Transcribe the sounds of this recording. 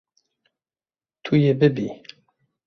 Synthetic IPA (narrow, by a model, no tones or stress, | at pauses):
t̪ʰujebɨbi